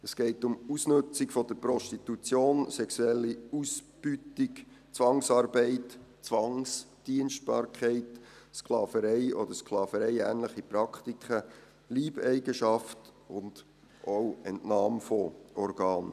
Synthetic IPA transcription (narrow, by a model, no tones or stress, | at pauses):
əsɡ̥ɛɪtʊmusnɵt͡sɪkfɔd̥əɾpɾɔʃtitut͡sjoːnsɛksuɛlːiusb̥ytik | t͡sʋɑŋsɑːɾbɛɪtt͡sʋɑŋs | d̥iənʃt̚b̥ɑ̰ːɾkχɛɪtsklɑːfəɾɛɪʔɔd̥̪əɾsklɑːfəɾɛɪæːnləχipɾɑktikχə | liːbɛɪɡəʃɑft | ʊnd̥ | ʔowɛ̰ntnɑːmfɔʔɔɾɡɑːn